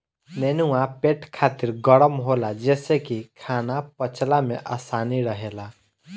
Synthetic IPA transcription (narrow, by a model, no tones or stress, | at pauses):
nɛːnuãpeːʈkʰaːt̪iɾɡəɽəmɦolad͡ʒɛːsekikʰaːnapət͡ʃlamḛ̃ʔaːsaːniɾəɦela